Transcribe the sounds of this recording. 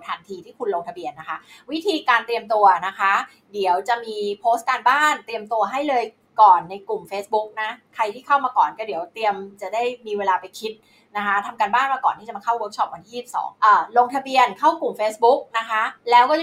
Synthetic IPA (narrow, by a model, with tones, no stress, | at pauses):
t̪ʰaː˩˦nt̪ʰiː˧t̪ʰiː˥˩kʰu˧nlo˧ŋt̪ʰa˧bi˧ənːa˦˥kʰa˦˥wi˦˥t̪ʰiː˧kaː˧nt̪ɾi˧əmt̪u˧ɐna˦˥kʰa˦˥ | di˩˦əwt͡ɕa˨˩miː˧pʰoː˦˥st̪̚kaː˧nbaː˥˩nt̪ɾi˧əmt̪u˧ɐɦa˥˩jlɤː˧j | kɔː˨˩nːa˧jku˨˩mfeː˦˥sbu˦˥k̚na˦˥kʰa˧jt̪ʰiː˥˩kʰa˥˩wmaː˧kɔː˨˩nkɔː˥˩di˩˦əwt̪ɾi˧əmt͡ɕa˨˩da˥˩jmiː˧weː˧laː˧pa˧jkʰi˦˥t̪̚ | na˦˥kʰa˦˥t̪ʰa˧mkaː˧nbaː˥˩nmaː˧kɔː˨˩t̪ʰiː˥˩t͡ɕmaː˧kʰa˥˩wɤ˦˥k̚sʰɔ˦˥p̚wa˧nt̪ʰiː˥˩i˨˩p̚sɔ̰ː˩˦ŋʔaː˨˩lo˧ŋt̪ʰa˧bi˧ənkʰa˥˩wklu˨˩mfeː˦˥sbu˦˥k̚na˦˥kʰa˦˥lɛː˦˥wkɔː˥˩